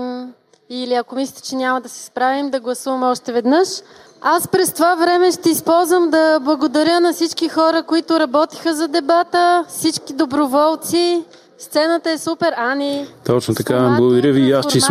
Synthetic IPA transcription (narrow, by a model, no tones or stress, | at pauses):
iliɐkomislʲit̪ɛt͡ʃɛnʲaməd̪ɐsɛ̥spɾavimd̪ɐɡlˠɐsuvɐmɛɔʃt̪ɛvɛd̪nəʃ | aspɾɛst̪ovavɾɛmɛʃt̪ɛispɔlˠzvəmd̪ɐblˠɐɡod̪ɐɾʲənɐfsit͡ʃkixɔɾəkoit̪ʊɾɐbɔt̪ixəzɐd̪ɛbat̪əfsit͡ʃkid̪obɾovɔlˠt̪si | st̪sɛnət̪əɛsupɛɾanit̪ɔt͡ʃnot̪ɐkablˠɐɡod̪ɐɾʲjəviast͡ʃis